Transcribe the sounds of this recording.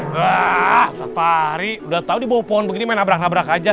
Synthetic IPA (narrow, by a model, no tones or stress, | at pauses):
asat̪aɾiudaht̪audibawapɔɔnbəɡinimaɛnabɾak̚nabɾakad͡ʒa